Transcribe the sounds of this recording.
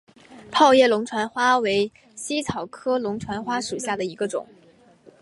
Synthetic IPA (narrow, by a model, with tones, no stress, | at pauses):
pʰɑ˥˧ʊjɛ˥˩lʊ˧˥ŋʈ͡ʂʰwa˧˥nxwa˥we˧˥ɪ | ɕi˥t͡sʰɑ˨˩ʊkʰɤ˥lʊ˧˥ŋʈ͡ʂʰwa˧˥nxwa˥ʂu˨˩ɕja˥˩d̪ə˩i˧˥ɡə˧ʈ͡ʂʊ̰˨˩˦ŋ